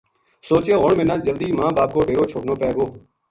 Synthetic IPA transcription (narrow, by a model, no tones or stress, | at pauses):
soːt͡ʃeːɦoːɳmẽːnãːd͡ʒəld̪iːmãːbaːp̚koːɖʱeːɾoːt͡ʃʰoːʈnõːpɛːɡoː